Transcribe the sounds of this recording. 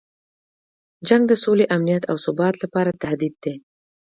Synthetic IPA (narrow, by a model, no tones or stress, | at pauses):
d͡ʒaŋɡd̪əsoleʔamnijat̪awsʊbɑt̪lapɑɾat̪ahd̪id̪ːe